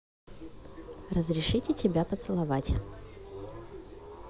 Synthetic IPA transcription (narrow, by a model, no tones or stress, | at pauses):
rəzɾʲɪʂɨtʲɪtʲɪbʲapət̪sɨlˠɐvatʲ